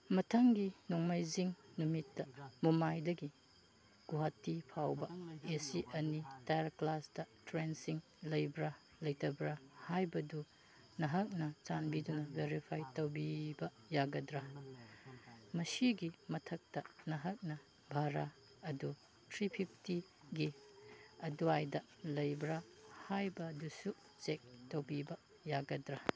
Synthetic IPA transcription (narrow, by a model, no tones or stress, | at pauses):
mɐtʰɐŋɡinoŋmajziŋnumitːɐmumajdɐɡi | ɡ̥uɦatːipʰawbɐesiʔɐnitajɾklasdɐtɾensiŋ | lɐjbɾɐ | lɐjtɐbɾɐhajbɐdu | nɐɦɐk̚nɐt͡ʃanbidunɐbʱeɾipʰajtɐwbibɐ | jaɡɐdɾɐ | mɐsiɡimɐtʰɐk̚tɐnɐɦɐk̚nɐ | bʱaɾa | ɐdu | tʰɾipʰipʰti | ɡi | ɐduajdɐ | lɐjbɾɐhajbɐdusu | t͡ʃek̚towbibɐ | jaɡɐdɾɐ